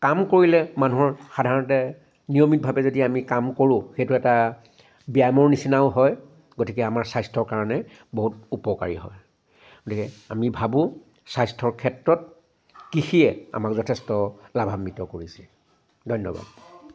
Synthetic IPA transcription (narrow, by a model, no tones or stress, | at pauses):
kamkoɹilɛmanuɦɔɹxadʱaɹɔntɛ | nijomit̚bʱabɛzodiamikamkoɹʊ̃xejtʊɛta | biajmɔɹnisinaʊɦɔj | ɡotikɛamaɹsajstʰɔɹkaɹɔnɛ | boɦutupɔka̰ɹḭɦɔ̰j | ɡ̥otikɛamibʱabʊ̃ | sajstʰɔɹkʰɛtɹɔt̚ | kixiɛa̰makzɔtʰɛstɔlabʱamːitɔkoɹisɛ | dʱɔjnːɔ̰ba̰d̚